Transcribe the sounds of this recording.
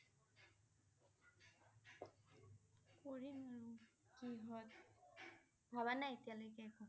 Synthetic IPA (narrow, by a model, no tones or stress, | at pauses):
koɹimaɹukiɦɔt | bʱaβanajetijalojkɛːkɔ